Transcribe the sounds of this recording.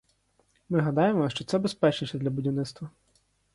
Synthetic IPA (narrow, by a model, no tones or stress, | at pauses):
mɪɦɐd̪ɑjemɔʃt͡ʃɔt̪sɛbespɛt͡ʃniʃʲɐd̪lʲɐbʊdʲiwnɪt̪st̪ʋɐ